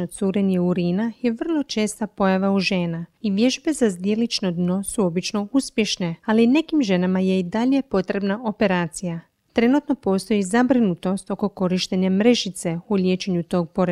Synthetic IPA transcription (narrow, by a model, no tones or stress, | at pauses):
osuːɾe̞nijeuɾiːnaje̞ʋər̩lˠo̞t͡ʃe̞ːst̪apo̞jaʋauʒe̞ːnaiʋje̞ʒbe̞zazd̪je̞lit͡ʃno̞d̪no̞suo̞bit͡ʃno̞uspje̞ʃne̞aline̞kimʒe̞namaje̞id̪aʎe̞po̞t̪ɾe̞bnaʔo̞pe̞ɾaːt̪sija | t̪ɾe̞nut̪no̞po̞ːst̪o̞jizabɾinut̪o̞st̪o̞ko̞ko̞ɾiʃt̪e̞ɲamɾe̞ʒit̪se̞ulje̞ːt͡ʃe̞ɲut̪o̞ːɡ̚po̞ɾe